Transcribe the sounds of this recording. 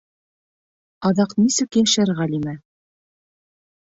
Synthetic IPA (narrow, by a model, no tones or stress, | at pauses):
ɑðɑqnisɘkɘɘ̆ʃɘɾʁælʲimæ